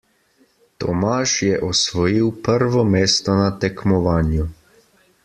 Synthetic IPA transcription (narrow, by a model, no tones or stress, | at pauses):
t̪ɔmaːʃjɛʔɔsʋɔjiwpəɾʋɔmeːst̪ɔnat̪ɛkmɔʋaːnju